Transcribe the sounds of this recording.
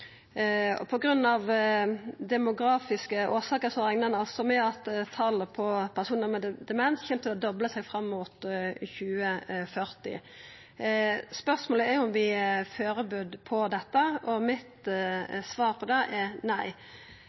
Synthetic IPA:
ɔ̰pʰɔɡɾʉnːɑʋ | d̪ɛmʊɡɾɑːfɪskəʔoːsɑːkəsɔʁɛŋnənɑlsɔmɛɑt̪t̪ʰːɑlːəpʰɔpʰæʁsuːnəɾmɛd̪d̪ɛmɛnsçɛːmt̪ʰɪlɔd̪ɔbləsɛɡfɾɑmːʊt̪çʉːəfœɾt̪ɪ̰ | spœʁsmoːləɛɾjʊʊmʋɪføːɾəbʉd̪pʰɔd̪ɛt̪ːəɔmɪt̪sʋɑːɾpʰɔd̪ɛʔɛnæɪ

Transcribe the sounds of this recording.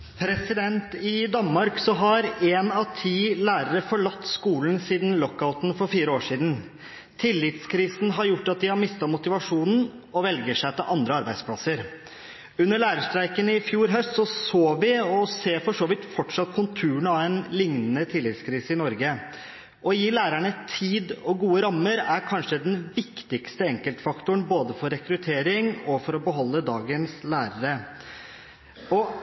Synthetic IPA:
pʰɾɛsɪd̪ɛnt̪ɪd̪ɑnmɑɾksɔɦɑɾeːnɑʋt̪ʰiːlæːɾəɾəfɔɭɑt̪ːskuːln̩siːd̪n̩lɔkːaʊt̪n̩fɔɾfiːɾəoːʂiːd̪n̩ | t̪ʰɪlːɪt̪skʰɾiːsn̩ɦɑɾjʊʈːɑt̪̚d̪ɪhɑɾmɪst̪ɑmʊt̪ɪʋɑʂuːnn̩ | ɔʋɛlɡəʂæɪt̪ʰɪlʔɑnd̪ɾəɑɾbæɪspʰlɑsəɾ | ʉnːəɭæːɾəʂt̪ɾæɪkənɪfjuːɾɦœst̪sɔsoːʋɪɔseːfɔʂoːʋɪt̪fɔʈʂɑt̪ːkʰʊnt̪ʰʉːɳɑɛnlɪŋnənət̪ʰɪlːɪt̪skʰɾiːsəɪnɔɾɡə | ʔɔjiːlæːɾæɳət̪ʰiːd̪ɔɡuːəɾɑmːəɾæɾkʰɑnʂəd̪ɛnʋɪkt̪ɪɡst̪əɛŋkəlt̪fɑkt̪ʊəɳboːd̪əfɔɾɛkɾʉt̪ʰeːɾɪŋɔfɔɾɔbəɦɔlːəd̪ɑːɡənslæːɾəɾə | ɔ

